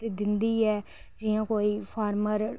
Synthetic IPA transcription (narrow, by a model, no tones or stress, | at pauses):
t̪ed̪ɪnd̪iːɛː | d͡ʒɪjãːkoːiːpʰaːɾməɾ